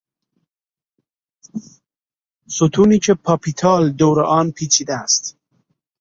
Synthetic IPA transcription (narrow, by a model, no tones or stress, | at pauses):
sut̪ʰunit͡ʃʰepʰapit̪ʰɑːld̪owɾəʔɑːnpʰit͡ɕʰid̪ast̪